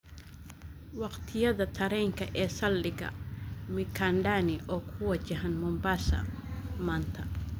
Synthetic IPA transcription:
wɑqt̪ʰɪjɐðɐt̪ʰɐɾɛŋkʰɐʔɛːsɐlːɪɡɐ̰mɪkʰanɖaːniʔɔːkʰʊwɐt͡ʃɐɦɐnmʊmbaːsɐ̰ | maːnt̪ʰɐ

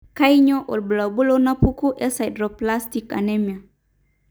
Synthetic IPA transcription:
kaiɲoʔɔlbulawbulonapukuʔɛsajdɾoplast̪ika̰nɛmia

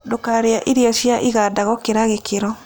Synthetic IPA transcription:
dokaɾeaʔiɾiɔʃjaʔiɣadaɣɔkeɾaɣekʰeɾɔ

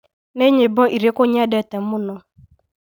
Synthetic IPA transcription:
neɲebɔʔiɾekoɲadɛtɛmmʊnɔ

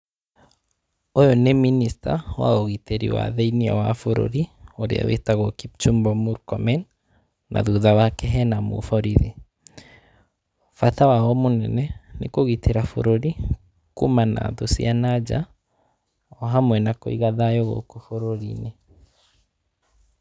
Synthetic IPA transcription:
ojɔneminista̰wa̰oɣiteɾḭwa̰ðɛiniɔ̰wafoɾo̰ɾioɾḛa̰wḛtaɣɔkip̚t͡ʃumbɔmuɾkɔmɛn | nʔa̰ðuðawakɛɦɛnamo̰fɔɾiðe | fatawaɔmonɛnɛnekoɣiteɾafo̰ɾoɾi | kumana̰ðosianad͡ʒa̰ | ɔɦamwɛnako̰iɣaðajɔɣo̰kofoɾoɾḭne

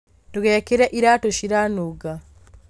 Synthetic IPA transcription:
tuɣekiɾeʔiɾatoʃiɾanuɡa

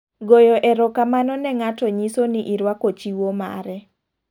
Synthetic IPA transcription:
ɡojɔʔɛɾɔkamanɔnɛŋatɔɲisoniʔiɾwakot͡ʃiwoma̰ɾɛ

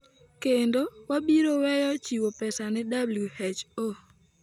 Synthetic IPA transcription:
kendowabiɾowɛjɔt͡ʃiwopɛsanɛdabljuhet͡ʃo

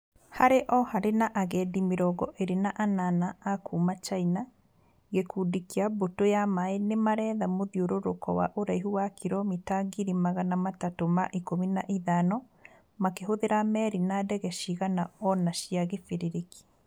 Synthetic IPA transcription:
haɾeʔɔhaɾenaʔaɣɛdimeɾɔɡɔʔeɾenaʔananaakuːmat͡ʃaina | ɣekudikiabotojamaenemaɾɛːðamoðioɾoɾokɔwa̰ʔoɾaiɦuwakʰiɾɔmitaɡiɾimaɣanamatatomaʔikominaʔiðanɔ | makeɦoðeɾamɛɾinadɛɣɛʃiɣanaɔnaʃiaɣefiɾiɾiki̥

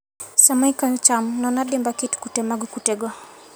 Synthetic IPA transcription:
samaikant͡ʃamnɔnaɗɪmbakitu̥kutɛmaɡukutɛɡɔ

